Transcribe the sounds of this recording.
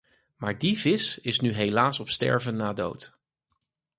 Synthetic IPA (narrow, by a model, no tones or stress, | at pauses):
maːɹdivɪsɪsnyɦejlaːsɔpstɛ̰ɹvənːaːdo̰wt